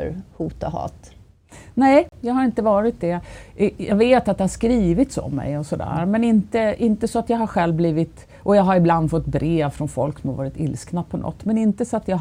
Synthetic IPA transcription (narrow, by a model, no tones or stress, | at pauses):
huːt̪ahɑ̰ːt̪ | nɛjɑːɡɦaɾɪnt̪əvɑːɾɪt̪̚d̪ɛʔjɑɡveːt̪at̪̚d̪ɛhaʂkɾiːvɪt̪sɔ̰mːɛ̰jɔsɔd̪æ̰ːɾmɛnɪnt̪əɪnt̪əsɔat̪jɑːɡɦaɾɧɛlvbliːvɪt̪ | ʔɔjɑːɡɦaɾɪbland̪fɔt̪ːbɾʔeːvfɾɔnfɔ̰lksɔmhaɾvɑːɾɪt̪ɪ̰lsknapʰɔnʔɔ̰t̪ːmɛnɪnt̪əsɔat̪jɑː